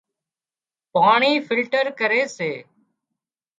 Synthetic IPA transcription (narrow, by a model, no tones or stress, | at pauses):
paːɳiːfʰɪlʈəɾkəɾeːseː